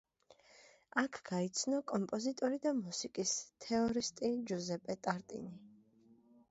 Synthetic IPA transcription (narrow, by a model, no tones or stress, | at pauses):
akʰɡ̥ait̪sʰnɔkʼɔmpʼɔzit̪ʼɔɾid̪amusikʼist̪ʰɛɔɾist̪ʼid͡ʒuzɛpʼɛt̪ʼaɾt̪ʼḭni